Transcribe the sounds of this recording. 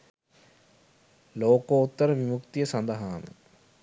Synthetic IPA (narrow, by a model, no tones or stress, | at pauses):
loːkoːut̪ːɐɾəʋimukt̪ijəsɐnd̪əɦaːmə̰